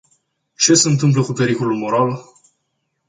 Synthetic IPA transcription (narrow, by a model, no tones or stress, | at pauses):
t͡ʃe̞seɨnt̪ɨmp̬ləkupe̞ɾikolulmoɾal